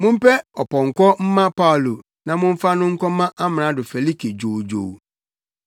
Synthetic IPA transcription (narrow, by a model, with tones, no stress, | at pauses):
mʊ̃˦m̩˦pɛ˦ɔ˨pʰɔ̃˨ŋ̩˨kɔ˦m̩˦mã˦pa˦˨lo˨ | nã˨mʊ̃˦m̩˦fa˦nʊ̃˦ŋ̩˦kʰɔ˦mã˦ʔa˦mɪ̃˨nã˨˦dʊ˨fɛ˨li˦kʰi˨d͡ʑo˨d͡ʑo̰˨w